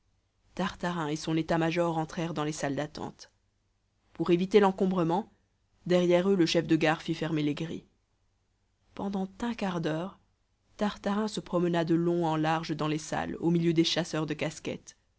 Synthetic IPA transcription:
t̪aʁt̪aʁɛ̃esɔ̃net̪amaʒɔʁɑ̃t̪χɛʁd̪ɑ̃lesald̪at̪ɑ̰̃t̪ | puʁevit̪elɑ̃kɔ̃bʁəmɑ̃ | d̪ɛʁjɛʁøləʃɛfd̪əɡaʁfifɛʁmeleɡʁḭ | pɑ̃d̪ɑ̃t̪ɛ̃kaʁd̪œːʁ | t̪aʁt̪aʁɛ̃səpχɔmənad̪əlɔ̃ɑ̃laʁʒəd̪ɑ̃lesa̰lomiljød̪eʃasœʁd̪əkaskʲɛ̰t̪

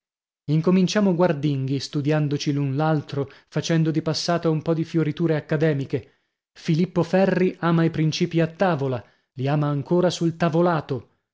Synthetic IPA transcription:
iŋkomint͡ʃaːmoɡward̪iŋɡist̪ud̪jand̪ot͡ʃilunlalt̪ɾofat͡ʃɛnd̪od̪ipasːaːt̪aumpɔd̪ifjoɾit̪uːɾeakːad̪ɛːmike | filipːofɛrːiʔaːmaipɾint͡ʃiːpiat̪ːaːvola | liaːmaːŋkoːɾasult̪avolaːt̪o

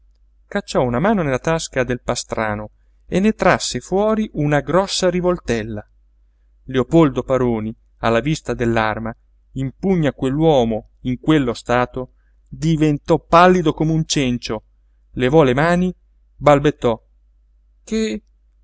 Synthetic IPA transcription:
kat͡ʃːɔunamaːnonelːat̪askad̪elpast̪ɾaːno | enːet̪ɾasːefwɔːɾiʔunaɡɾɔsːaɾivolt̪ɛlːa | leopold̪opaɾoːni | a̰lːavist̪ad̪elːarma | impuɲːakwelːwɔːmo | iŋkwelːost̪aːt̪o | d̪ivent̪ɔpalːid̪okomeunt͡ʃɛnt͡ʃo | levɔlemaːni | balbet̪ːɔ | ke

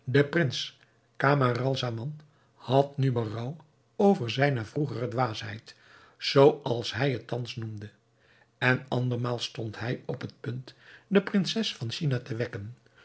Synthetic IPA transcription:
dəprɪns | kaːmarɑlˠzamɑn | hɑtnybərɑw | owvəɹzɛjnəvruχərədʋaːsɦɛ̰jt | z̥owɑlˠsɦɛjɦətːɑnsnumdə | ɛnɑndəɹmaːlˠstɔntɦɛjɔpɦət̚pɵntdəprɪnsɛsfɑnʃinatəʋɛkən

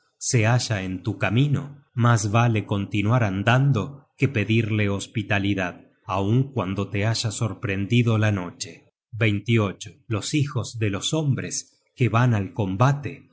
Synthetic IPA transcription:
seaʒaent̪ukamino | masβaleko̞nt̪inwaɾand̪and̪o̞kepe̞ðiɾle̞ospit̪aliðað | auŋkwand̪o̞t̪eaʒaso̞ɾpɾe̞nd̪iðolano̞t͡ʃe | bejnt̪io̞t͡ʃolo̞sixo̞zðelo̞so̞mbɾes | keβanalko̞mbat̪e

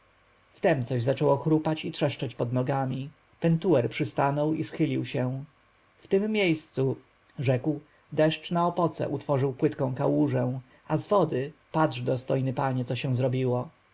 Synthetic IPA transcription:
ft̪ɛmt̪sɔʑzat͡ʂɛwɔxɾupat͡ɕitʂɛʂt͡ʂɛt͡ɕpɔd̪nɔɡamʲi | pɛnt̪uwɛɾpʂɘst̪anɔwisxɘlʲiwɕɛ̃ | ft̪ɘmːʲjejst̪su | ʐɛkw | d̪ɛʂt͡ʂnaɔpɔt̪sɛ̰ʔut̪fɔʐɘwpwɘt̪kɔ̃w̃kawuʐɛ̃ | azvɔd̪ɘpadʐd̪ɔst̪ɔjnɘpaɲɛt̪sɔɕɛw̃zɾɔbʲiwɔ

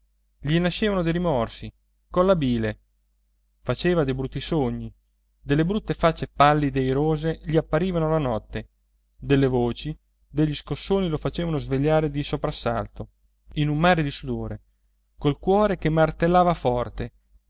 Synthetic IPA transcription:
ʎinaʃːeːvanod̪ejɾimɔrsi | konlabiːle | fat͡ʃeːvad̪ejbɾut̪ːisoɲːi | d̪elːebɾut̪ːefat͡ʃːepalːid̪eijɾoːzeʎiapːaɾiːvanolanɔt̪ːe | d̪elːevoːt͡ʃi | d̪eʎːiskosːoːnilofat͡ʃeːvanozveʎːaːɾed̪isopɾasːa̰lt̪o | inummaːɾed̪isud̪oːɾe | kolkwɔːɾekemːart̪elːaːvafɔrt̪e

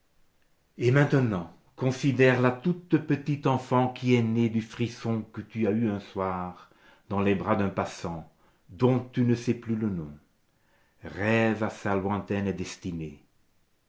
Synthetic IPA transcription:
emɛ̃t̪ənɑ̃ | kɔ̃sid̪ɛʁlat̪ut̪pət̪it̪ɑ̃fɑ̃kʰiɛned̪yfχisɔ̃kət̪yayɛ̃swaʁ | d̪ɑ̃lɛbʁad̪ɛ̃pasɑ̃ | d̪ɔ̃t̪ynəsɛplylənɔ̃ | ʁɛvasalwɛ̃t̪ɛnd̪ɛst̪ine

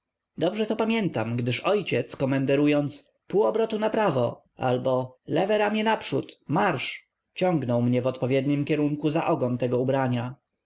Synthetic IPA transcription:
d̪ɔbʐɛt̪ɔpamʲjɛnt̪amɡd̪ɘʂɔjt͡ɕɛt̪skɔmɛnd̪ɛɾujɔnt̪s | puɔbɾɔt̪unapɾavɔ | ʔa̰lbɔlɛvɛɾamʲɲɛnapʂṵt̪maɾʂ | t͡ɕɔ̃ŋɡnɔwmɲɛvɔt̪pɔvʲjɛd̪ɲimkʲɛɾuŋkuzaʔɔɡɔnt̪ɛɡɔubɾaɲa

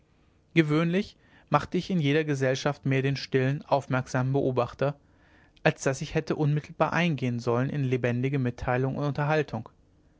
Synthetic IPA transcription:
ɡ̥əvøːnlɪç | maχtəɪçɪnjeːɾɐɡəzɛlʃaftmeːɐdeːnʃtɪlənʔaʊfmɛɐkz̥aːmən̩bəʔoːbaχtɐ | ʔalsd̥asɪçhɛtəʔʊnmɪtʰl̩baːɐʔaɪnɡeːənzɔlənʔɪ̰nlebɛndɪɡəmɪtʰːaɪlʊŋʊ̰ntʊntɐɦaltʰʊŋ

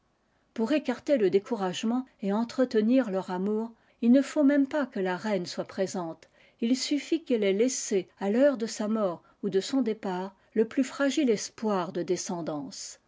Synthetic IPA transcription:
puʁekaʁt̪eləd̪ekuʁaʒmɑ̃eɑ̃t̪χət̪əniʁlœʁamuːʁ | ilnəfomɛmpakəlaʁɛnswapχezɑ̃t̪ | ilsyfikɛlɛlesealœʁd̪əsamɔːʁ | ud̪əsɔ̃d̪epaːʁ | ləplyfχaʒilɛspwaʁd̪əd̪esɑ̃d̪ɑ̃s

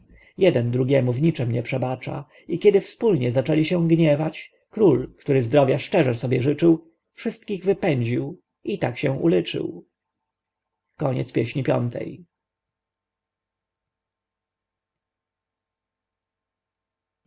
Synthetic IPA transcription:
jɛd̪ɛnd̪ɾuɡʲjɛmuvɲit͡ʂɛmɲɛpʂɛbat͡ʂa̰ | ikʲɛd̪ɘfspulɲɛzat͡ʂɛlʲiɕɛ̃ɡɲɛvat͡ɕ | kɾulkt̪uɾɘzd̪ɾɔvjaʂt͡ʂɛʐɛsɔbʲjɛʐɘt͡ʂɘw | fʂɘst̪̚kʲiɣvɘpɛɲd͡ʑiw | it̪akɕɛ̃ʔṵlɘt͡ʂɘ̰w | kɔɲɛ̰t̪spʲjɛɕɲipʲjɔ̰nt̪ʰɛ̰j

